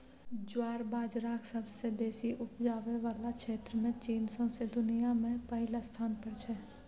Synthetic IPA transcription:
d͡ʒwaːɾbaːd͡ʒɾaːksəbsebeːsiʔʊʈʰd͡ʒaːʋeʋaːlakʃeːt̪ɾəmẽt͡ʃiːnsõsed̪ʊnijamẽpəɦɪlast̪ʰaːnpəɾt͡ʃʰɛː

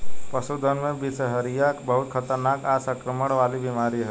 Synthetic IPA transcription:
pəsud̪ʱənmẽbisɦəɾijakbəɦut̪̚kʰət̪əɾnakasə̃kɾəməɽ̃ʋalibimaɾiɦə

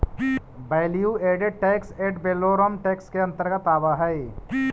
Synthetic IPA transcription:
bajlijueːɖeɖ̚ʈɛːkseːɖbeːloɾəmʈeːkskeɐ̃nt̪əɾɡət̪aːʋaɦɛe

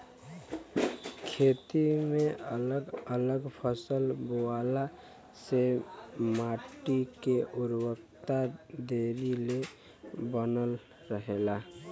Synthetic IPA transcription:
kʰeːt̪imeələɡələɡpʰəsəlboala | semaʈikeʔʊɾwəkt̪ad̪eɾile | bənəl | ɾəɦela

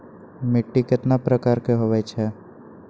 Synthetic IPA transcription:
mɪʈːikɪt̪napɾəkaːɾkeɦoːʋɛt͡ʃʰɛː

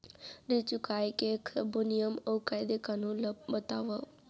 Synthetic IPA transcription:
ɾit͡ʃukajkekʰbunijəmokajd̪ekanũləbbət̪aʋə

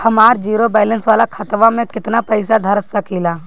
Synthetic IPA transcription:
hɐmaːɾd͡ʒiːɾobɛːlə̃nsʋaːlakʰət̪ʋamẽkɪt̪napɐɪsad̪ʱɐɾsɐkʰilaː

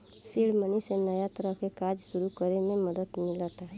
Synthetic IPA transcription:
siɽmənisenəjat̪ɾɔkekad͡ʒsuɾukɔɾemẽmʌd̪ət̪milɔt̪a

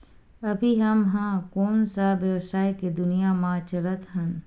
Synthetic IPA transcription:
ɐbʱiɦɐmɦãːkoːnsabjɐʋsaːiked̪ʊnijamãːt͡ʃɐlət̪ɦə̃n

